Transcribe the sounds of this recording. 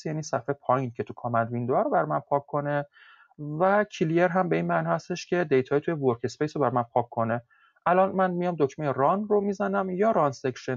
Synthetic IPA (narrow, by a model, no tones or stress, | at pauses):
sjæniːsæfepʰɒːjint̪̚kʰcʰe̞t̪ʰukʰɒmænd̪vind̪oæɾobæɾmænpʰɒːkʰːo̞ne̞ | væcʰilie̞ɾɦæmbe̞inmæːnihæst̪e̞ʃcʰʲe̞d̪e̞jt̪ʰɒːjit̪ʰujevoɾcʰe̞spejsobæɾmænpʰɒːkʰːo̞ne | ʔælɒnmænmijɒmd̪ocʰmejeɾɒnromiːzænæmjɒːɾɒnsekʃen